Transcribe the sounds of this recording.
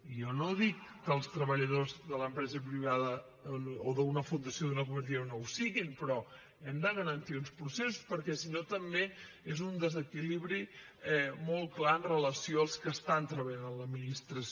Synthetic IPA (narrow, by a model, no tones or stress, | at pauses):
ijɔnoðikːəlˠst̪ɾəβəʎəðozðələmpɾɛzəpɾiβ̞aðə | oðəunəfund̪əsioðunəkumət̪̬iənowsiɣimpɾɔ | ɛmd̪əɣəɾənt̪iunspɾusesu̥spəɾkɛsinot̪əmbe | ezund̪əzəkiliβɾi | ɛmɔl̚ˠklaənrələsioəlˠskəst̪ant̪ɾəβəʎanənləminist̪ɾəs